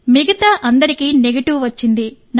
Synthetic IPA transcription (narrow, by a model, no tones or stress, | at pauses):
miɡɐt̪aːʔɐnd̪ɐɾikiːneɡɐʈiʋʋɐt͡ʃːind̪i | n